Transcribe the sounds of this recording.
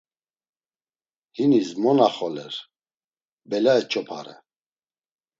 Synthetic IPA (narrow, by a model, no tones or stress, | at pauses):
hinismɔnaχɔlɛ̰ɾ | bɛlaɛt͡ʃʰʼɔpʰa̰ɾɛ̰